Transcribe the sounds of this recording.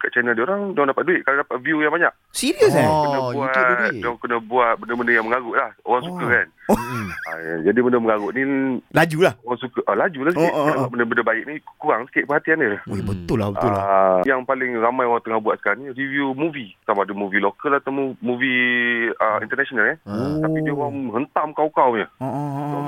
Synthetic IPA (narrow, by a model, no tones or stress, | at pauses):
kaʔt͡ʃɛnəldioɾaŋdɔŋndapat̪̚duɪʔ̚kaɾadapat̪̚viujaŋbaɲaʔ | siɾiəsakəndəbuaʔdŋkənəbuaʔ̪̚bəndəmbəndəjaŋməŋaɡʊʔlahoɣaŋsukəkan | ad͡ʒadibəndəməŋaɣʊʔnĩlad͡ʒulahoɣaŋsukəʔəlad͡ʒulahsəkiʔdabaʔbəndəbəndəbaɪʔk̚nikuɾaŋsə̥kɪʔ̚pəɦat̪ianəlahebət̪ʊlabət̪ʊjaŋpalɪŋramajoɣaŋt̪əŋahbuaʔsə̥kaɾaŋniiɾiviumuvit̪amadəmuvilokəlaht̪amumuvi | əint̪ərnasonalaapbidiəoɣaŋɦənt̪amkawkawɲə